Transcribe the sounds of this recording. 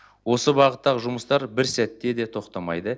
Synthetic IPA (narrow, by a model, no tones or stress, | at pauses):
wo̞səbɑʁət̪ːɑʁəʒʊməst̪ɑɾbɪɾsæt̪ːe̞d̪e̞t̪ʰo̞qt̪ɑmɑjd̪ə